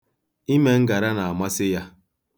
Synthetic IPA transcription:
i˦me˦ŋ̩˦ɡa˨ɾa˦na˨a˨ma˦sɪ˦ja˦

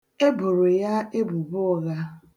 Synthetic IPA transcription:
e˦bʊ˨ɾe˨ja˦e˦bu˨bʊ˦ɔ˨ɣa˦

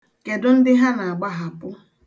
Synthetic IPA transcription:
ke˨dʊ˦n̩˦dɪ˦ɦa˦na˨a˨ɡ͡ba˦ɦa˨pʊ˦

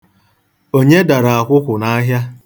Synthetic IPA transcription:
o˦ɲe˦da˨ɾa˨a˨kʷʊ˦kʷʊ˨na˦ɦja˦

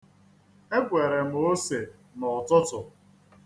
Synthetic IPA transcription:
e˦ɡʷe˨ɾe˨m̩˨o˦se˨ | nɔ˨tʊ˦tʊ˨

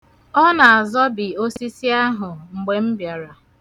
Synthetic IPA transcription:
ɔ˦na˨a˨zɔ˦bɪ˨o˦si˦si˦a˦ɦʊ˨ŋ͡m̩˨ɡ͡be˨m̩˦bja˨ɾa˨

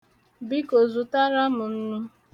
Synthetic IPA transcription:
bi˦ko˨zu˨ta˦ɾa˦mʊ˨n̩˦nu˦

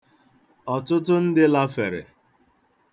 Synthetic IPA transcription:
ɔ˨tʊ˦tʊ˦n̩˦dɪ˦la˦fe˨ɾḛ˨

